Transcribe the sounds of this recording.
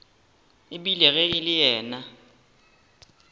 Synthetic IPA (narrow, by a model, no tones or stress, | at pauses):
ɪɓilɛɣɛɪlɪjɛːna